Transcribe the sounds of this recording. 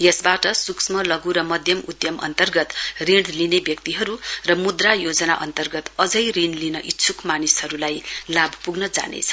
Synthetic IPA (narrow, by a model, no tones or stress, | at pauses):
jʌsbaʈʌsuksmʌlʌɡuɾʌmʌd̪ʱjʌmud̪jʌmʔʌ̰nt̪ʌrɡʌt̪riɽlinebjʌk̚t̪iɦʌɾurʌmud̪rajod͡zʌna̰ʔʌnt̪ʌrɡʌt̪ʌd͡zʌjrinlinʌʔit̪ːsʰukmanishʌɾulajlabʱpuɡnʌd͡za̰nḛt͡sʰʌ̥